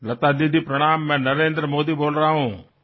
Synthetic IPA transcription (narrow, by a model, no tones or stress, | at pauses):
lɐt̪aːd̪id̪ʱipɾɐɽ̃aːmːɛ̃ːnɐɾẽːnd̪ɾəmoːd̪iːboːlɾəaɦũː